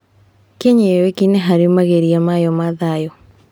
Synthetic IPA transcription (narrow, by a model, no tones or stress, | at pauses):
keɲewekineɦaɾimaɣeɾiamajɔmaðajɔ